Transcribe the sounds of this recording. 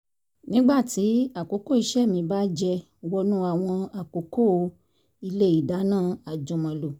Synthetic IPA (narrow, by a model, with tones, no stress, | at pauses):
nĩ˦ɡ͡ba˦˨ti˨˦a˦˨ko˨˦ko˦˨i˧ʃɛ˦˨mĩ˨˧ba˦d͡ʒɛ˧ | wɔ˧nũ˦a˦˨w̃ɔ̃˧a˨ko˨˦ko˦˨˧ | i˧le˦i˦˨da˨˦nãː˦˨a˨d͡ʒũ˧mã˧lo˨